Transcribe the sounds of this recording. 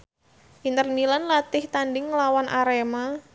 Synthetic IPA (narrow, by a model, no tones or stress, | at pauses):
ʔint̪ərnilanlat̪ɪht̪andɪŋːəlawanʔaɾema